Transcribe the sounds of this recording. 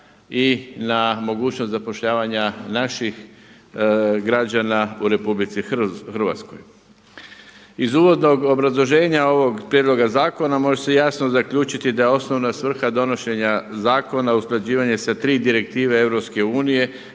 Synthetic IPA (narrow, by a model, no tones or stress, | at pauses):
inamo̞ɡuːt͡ʃnost̪zapo̞ʃʎaːʋaɲanaʃix | ɡɾad͡ʑanauɾe̞publit̪sixr̩ʋa̰t̪sko̞̰j | izuːʋo̞d̪no̞ɡo̞bɾazlˠo̞ʒe̞ːɲao̞ʋo̞ɡpɾʲjed̪lˠo̞ɡazaːko̞namo̞ʒese̞jasnozakʎuːt͡ʃit̪id̪ajeo̞sno̞ʋnasʋr̩xad̪o̞no̞ʃe̞ɲazaːko̞nausklˠad͡ʑiːʋaɲesat̪ɾiːd̪iɾe̞k̚t̪iːʋee̞ʋɾo̞pske̞uːnije̞